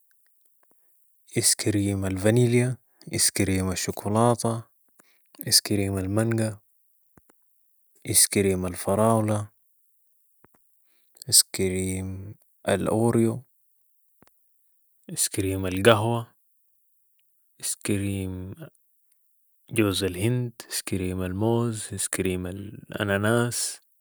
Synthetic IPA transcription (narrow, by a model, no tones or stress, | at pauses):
ʔiskiɾiːmalvanilija | ʔiskiɾiːmaʃːukulɑːt̪ˤɑ | iskiɾiːmalmaŋɡa | ʔiskɾiːmalfɑɾˤɑːwla | iskiɾiːm | ʔa̰lʔoːɾjo | ʔiskiɾiːmalɡaɦwa | ʔiskiɾiːm | ɟoːzalhɪnd̪iskiɾiːmalmoːziskiɾiːmalʔa̰nanaːs